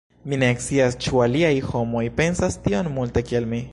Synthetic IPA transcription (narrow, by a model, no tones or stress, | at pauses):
mineksiast͡ʃualiajxomojpensast̪ionmult̪ekielmi